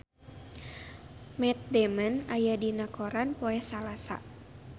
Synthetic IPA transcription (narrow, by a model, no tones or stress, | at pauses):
mɛt̪̚dɛmənajadinakoɾanpoɛsalasa̰